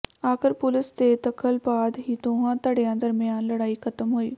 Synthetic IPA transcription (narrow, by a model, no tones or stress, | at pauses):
aːkəɾpʊlɪst̪et̪ɐkʰəlbaːd̪ɦiːt̪oɦãːt̪əɽjãːd̪əɾmɪjaːnləɽaːikʰət̪əmɦoːḭː